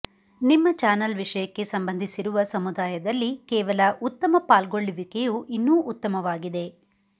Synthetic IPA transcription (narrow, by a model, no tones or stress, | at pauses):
nimːɐt͡ʃaːnɐlʋiʂɐjɐkːe̞sɐmbɐnd̪ʱisiɾuʋɐsɐmud̪aːjɐd̪ɐlːikɛːʋɐlɐʔut̪ːɐmɐpaːlɡoɭːiʋikejuʔinːuːʔut̪ːɐmɐʋaːɡid̪e̞